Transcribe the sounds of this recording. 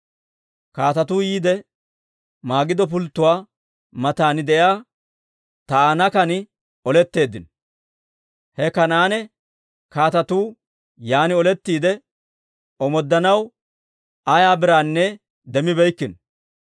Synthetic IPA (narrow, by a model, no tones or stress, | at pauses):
kaːt̪ɐt̪uːjiːd̪ɛ | maːɡɪd̪ɔp̬ʊlt̪ːʊwaː | mɐt̪aːnɪd̪ɛjaː | t̪ɐanɐkɐnɪ | ɔlɛt̪ːe̞ːd̪ːɪn | hɛkɐnaːnɛ | kaːt̪ɐt̪uː | jaːnɪɔlɛt̪ːiːd̪ɛ | ɔmɔd̪ːɐnɐw | ɐjaːbɪɾaːnːɛ | d̪ɛmɪbɛjkːɪn